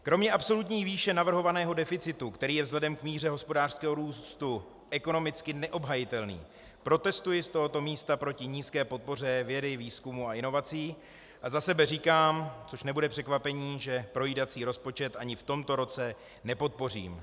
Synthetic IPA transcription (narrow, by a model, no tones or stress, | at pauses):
kɾo̞mɲɛʔapso̞lut̪ɲiːviːʃɛnavr̩ɦo̞vanɛːɦo̞dɛfɪt͡sɪt̪ukt̪ɛɾiːjɛvzɦlɛdɛmkmiːr̝ɛɦo̞spo̞daːr̥skɛːɦoɾuːst̪u | ʔɛko̞no̞mɪt͡skɪnɛʔo̞bɦajɪt̪ɛlnḭː | pɾo̞t̪ɛst̪ujɪst̪o̞ɦo̞t̪o̞miːst̪apɾo̞cɪɲiːskɛːpo̞t̪̚po̞r̝ɛvjɛdɪviːskumuaɪno̞vat͡siː | ʔazasɛbɛriːkaːmt͡so̞ʃnɛbudɛpr̝̥ɛkvapɛɲiːʒɛpɾo̞jiːdat͡siːɾo̞spo̞t͡ʃɛt̪ʔaɲɪft̪o̞mt̪o̞ɾo̞t͡sɛ | nɛpo̞t̪̚po̞r̝ḭːm